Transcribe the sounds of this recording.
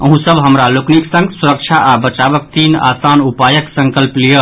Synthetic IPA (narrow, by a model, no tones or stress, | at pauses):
əɦũsəbɦəmɾalokniksə̃ŋɡsuɾək̚t͡ʃʰaʔabət͡ʃaʋək̚t̪ina̰sanupajəksə̃ŋkəlplijə